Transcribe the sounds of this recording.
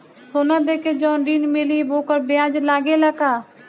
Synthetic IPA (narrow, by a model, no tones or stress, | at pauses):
soːnãːd̪eːkeːd͡ʒɔ̃ːɳɖiːnmeːliːboːkəɾbɪjãːd͡ʒlaːɡeːlakaː